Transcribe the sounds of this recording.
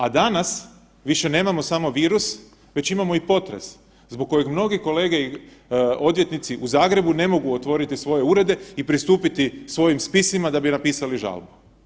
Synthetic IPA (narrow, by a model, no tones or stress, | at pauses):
ad̪anas | ʋiʃe̞ne̞ːmamo̞samo̞ʋiːɾus | ʋe̞t͡ɕimamo̞ipo̞t̪ɾe̞̰s | zbo̞ɡ̚kːo̞je̞ɡmno̞ɡiko̞le̞ːɡe̞i | o̞d̪ʋjet̪nit̪siʔuzaːɡɾe̞bune̞mo̞ɡuot̪ʋo̞ɾit̪isʋo̞je̞uɾe̞d̪e̞ipɾist̪uːpit̪isʋo̞jimspisimad̪abinapiːsaliʒa̰lˠbu̥